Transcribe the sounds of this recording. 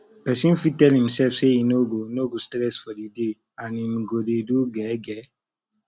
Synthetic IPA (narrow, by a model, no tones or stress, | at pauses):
pɛsĩnfitɛlhĩmsɛlfseinoɡonoɡostɾɛsfɔdide | ãnimɡodeduɡɛɡɛ